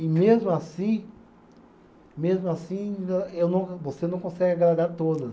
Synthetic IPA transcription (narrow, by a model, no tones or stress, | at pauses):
ɪmezmʊasĩ | mezmʊasĩewnɐ̃w̃kɐvosenɐ̃w̃kõsɛɡɪaɡɾad̪aɾt̪od̪ɐ